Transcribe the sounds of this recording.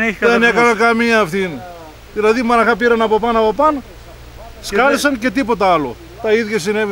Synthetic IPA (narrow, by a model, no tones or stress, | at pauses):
ðenekɐnɐkɐmiɐːft̪in | ðilɐðimɐnɐxɐpiɾɐnɐpo̞pɐnɐpo̞pɐn | skɐlisɐnce̞t̪ipo̞t̪ɐɐlo̞̰ | t̪ɐiðjʝɐsine̞vi